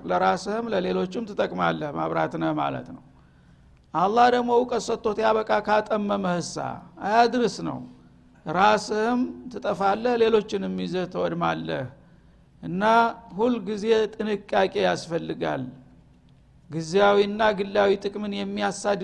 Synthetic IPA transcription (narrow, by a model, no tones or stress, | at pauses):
ləɾasɨhɨmləle̞lo̞t͡ʃːɪmt̪ʰɨt̪ʼəkʼmalːəhma̰βɾa̰t̪nəhma̰lə̰t̪nəw | ʔalˤːahd̪əɡmo̞kʼəsət̪ːo̞t̪jaβəkʼakʰat̪ʼəmːəməhɨsa̰ajad̪ɨɾɨsnə̰w | ɾasɨhɨmt̪ʰɨt̪ʼəfalːəhle̞lo̞t͡ʃːɪnɛmːizət̪ʰəwɔd̪malːəh | ʔɨnːahulːɡize̞t̪ʼɨnɨkʼːakʼe̞jasfəlːɨɡa̰l | ɡɨzjawiɨnːaɡɨlːawit̪ʼɨkʼmɨnjɛmːijasːad̪